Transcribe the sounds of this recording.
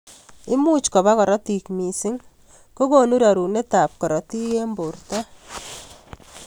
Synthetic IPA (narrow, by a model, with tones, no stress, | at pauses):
ɪ˦mu˦t͡ʃkɔ˨βa˦kɔ˨ɾɔ˦ti˨kmi˨sɪ˦ŋ | ko˦ko˦nu˦ɾa˨ɾu˨ne˦ta˨p̚kɔ˨ɾɔ˨ti˦je˦mbo˨rta˦